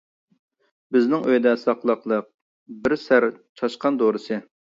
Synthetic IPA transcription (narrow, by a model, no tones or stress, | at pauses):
bɪznɪŋøjd̪ɛsɑqlˠəqlˠəq̚ | bɪɾsæɾt͡ʃʰɑʃqɑnd̪oɾɨsɨ